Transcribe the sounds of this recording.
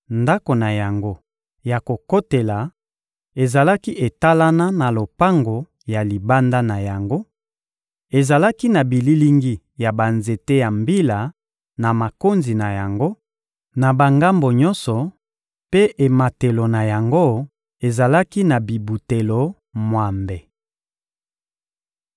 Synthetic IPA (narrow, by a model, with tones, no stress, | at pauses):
nda˦ko˨na˨ja˨ŋɡo˦ | ja˨ko˨ko˦te˨la˨ | e˨za˨la˦ki˦ʔe˨ta˦la˦na˦na˨lo˨pa˦ŋɡo˨ | ja˨li˨ba˦nda˦na˨ja˨ŋɡo˦ | e˨za˨la˦ki˦na˨bi˨li˦li˦ŋɡi˦ | ja˨ba˨nze˨te˦ja˨mbi˦la˨ | na˨ma˨ko˦nzi˨na˨ja˨ŋɡo˦ | na˨ba˨ŋɡa˦mbo˨ɲɔ̃˦nsɔ˨ | pe˦ʔe˨ma˨te˨lo˨na˨ja˨ŋɡo˦ | e˨za˨la˦ki˦na˨bi˨bu˨te˨lo˨ | mwa˨mbe˨